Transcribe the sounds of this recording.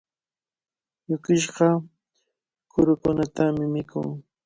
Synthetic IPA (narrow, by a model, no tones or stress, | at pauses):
jʊkɪʃɢɑ | kʊɾʊkʊnat̪amɪmɪkʊ̰ŋ